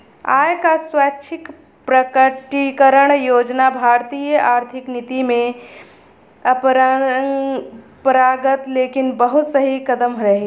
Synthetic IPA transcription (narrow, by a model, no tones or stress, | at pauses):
a̰ːjkaswatːt͡ʃʰɪk | pɾəkəʈikəɾəɽ̃joːd͡ʒnabʱaːɾt̪iːjəʔaːɾt̪ʰɪknit̪imẽ | əp | pɾaːɡət̪lekinbəɦut̪səɦikəd̪əmɦoɾəɦe